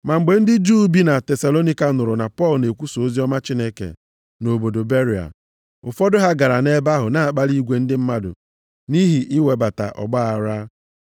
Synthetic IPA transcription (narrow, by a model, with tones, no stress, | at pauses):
ma˨ŋ͡m̩˨ɡ͡be˨n̩˦dɪ˦d͡ʒuː˦bi˦na˨te˨sa˨lo˦ni˦ka˨nʊ˨ɾʊ˨na˨pɔ˦˨lne˨kʷu˦so˦zi˦ɔ˦ma˦t͡ʃi˦ne˦kḛ˨ | no˨bo˨do˨be˦ɾi˨a̰˨ | ʊ˨fɔ˦dʊ˦ɦa˦ɡa˨ɾa˨ne˦ba˦ɦʊ˨na˦a˨k͡pa˦li˦ɡʷe˨n̩˦dɪ˦m̩˦ma˦dʊ̰˨ | ni˦ɦi˨ʔɪ˦we˨ba˨ta̰˨ʔɔ̰˨ɡ͡ba˦a˨ɾa˦